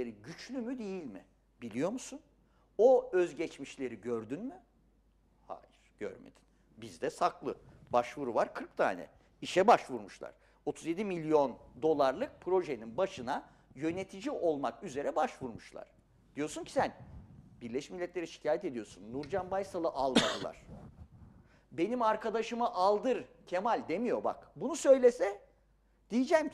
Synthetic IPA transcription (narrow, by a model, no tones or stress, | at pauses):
eɾiɟyt͡ʃlʲymyd̪e̞jilʲmɪ̰ | b̥ilʲijo̞musun | oøzɟɛt͡ʃmiʃlʲe̞ɾiɟøɾd̪ynmy | ha̰ːjiɾ̥ɟ̥ø̰ɾmḛd̪i̥n | bizd̪ɛsakʰlˠɯbaʃvuɾuvaɾkʰɯɾkt̪ʰa̰ːnɛ̰ | iʃɛbaʃvuɾmuʃlˠa̰ɾ̥ | o̞t̪ʰuzje̞d̪imilʲijo̞nd̪o̞lˠaɾlˠɯk̚pʰɾo̞ʒeninbaʃɯna | jø̞ne̞t̪ʰid͡ʒiʔo̞lˠmakyze̞ɾɛbaʃvuɾmuʃlˠa̰ɾ̥ | d̪̥ijo̞suncʰi̥sænbiɾlʲɛʃmilʲːɛt̪lʲeɾiʃi̥cʰaːjɛt̪e̞d̪ijo̞sunːuɾd͡ʒanbajsalˠɯʔalˠmad̪ɯlˠa̰ɾ̥ | be̞nimaɾkʰad̪aʃɯmaʔalˠd̪ɯɾcʰe̞malʲd̪e̞mijo̞ba̰kbunusø̞jlʲesɛ | d̪̥ijid͡ʒɛm